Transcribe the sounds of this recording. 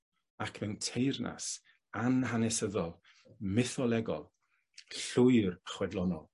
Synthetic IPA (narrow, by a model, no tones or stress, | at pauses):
akʰmɛwntʰejrna̰s | anɦanɛsəðɔlˠ | mɪθɔlˠɛɡɔlˠ | ɬʊɨrəχwɛdlˠɔnɔlˠ